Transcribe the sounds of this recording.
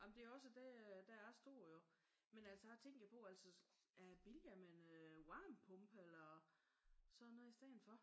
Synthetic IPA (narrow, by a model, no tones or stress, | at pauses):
jɑmnd̥e̝æɒ̽s̬əd̥ed̥ææsd̥o̝ɐ̰jo̝ | menæl̰səɑ̈t͡sʰeŋ̰ɡ̥pʰɒ̽æl̰sə | æb̥iljæmenøwɑ̈ːmpʰɔ̽mb̥əelɐ | sɒðˠnɔðˠisd̥æn̩fɒ̽